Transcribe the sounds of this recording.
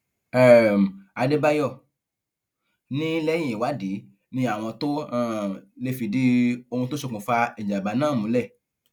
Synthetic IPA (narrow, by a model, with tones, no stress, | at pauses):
ɛ˦˨a˧de˦ba˦jɔ˦˨ | nĩ˦lɛ˦j̃ĩ˨i˨wa˨˦di˨˦ | nĩ˧˦a˦˨w̃ɔ̃˧to˦a˦˨le˧fi˨di˨˦o˧ũ˧to˦so˧k͡pũ˨fa˧i˨d͡ʒa˨ba˨˦nãː˦˨mũ˨˦lɛ˦˨